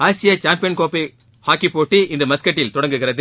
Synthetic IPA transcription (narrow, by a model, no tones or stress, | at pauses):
aːsɪjɐt͡ʃaːmpɪjɐnkoːpi | haːkːipːoːʈːiʔɪndrɯmɐskɐʈːɪlt̪ɔɽɐŋɡɯɣɪrɐðɯ